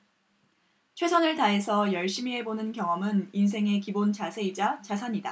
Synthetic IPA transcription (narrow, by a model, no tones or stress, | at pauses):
t͡ɕʰwe̞sʰʌnɯɭtaɦe̞sʰʌjʌɭɕ͈imiɦe̞bonɯnkjʌŋʌmɯnins̬ʰe̞ŋe̞kibont͡ɕasʰe̞id͡ʑat͡ɕasʰaɲida